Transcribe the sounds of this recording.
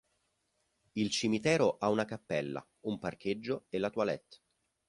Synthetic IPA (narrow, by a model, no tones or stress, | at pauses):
ilt͡ʃimit̪ɛːɾoʔaunakapːɛlːa̰ | umpark̟ʰed͡ʒːoelːat̪walɛ̰t̪ː